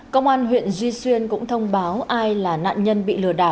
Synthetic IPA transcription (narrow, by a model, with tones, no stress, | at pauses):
kə˧wŋ͡mʔaː˧nɦwḭ˧˨ənzwi˧swi˧ənkʊ̰˧˥ŋ͡mt̪ʰə˧wŋ͡mɓaː˨˦wʔaː˧jlaː˨˩na̰ː˧˨nɲə˧nɓḭ˧˨lɨ˧˩əɗa̰ː˧˩